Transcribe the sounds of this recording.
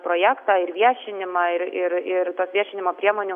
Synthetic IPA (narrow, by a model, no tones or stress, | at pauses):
pɾoːjæːkt̪ɑːɪɾʋʲiɛʃʲɪnʲɪmɑɪɾɪɾɪɾt̪oːsʋʲiɛʃʲɪnʲɪmoːpʲɾʲiɛmoːnʲʊ